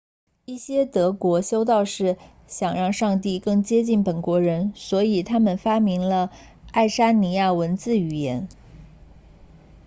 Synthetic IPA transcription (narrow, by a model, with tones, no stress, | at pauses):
i˥˩ɕjɛ˥t̪ɤ˧˥kwɔ˧˥ɕjo˥ʊt̪ɑ˥˧ʊʂɻ̩˥˩ | ɕjɑ˨˩ŋɻɑ˥˧ŋʂɑ˥˧ŋt̪i˥˧kɤ˥˩ŋt͡ɕjɛ˥t͡ɕi˥˩npə˨˩nkwɔ˧˥ɻə˧˥nswɔ˧˥i˨˩t̪ʰa˥mə˨nfa˥mi˧˥ŋlə˧ | a˥˩ɪʂa˥ni˧˥ja˥˩wə˧˥nt͡sɹ̩˥˩y˨˩jɛ˧˥n